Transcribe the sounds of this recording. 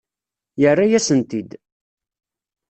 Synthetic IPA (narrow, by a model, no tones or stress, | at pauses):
jərːajæsənt̪id̪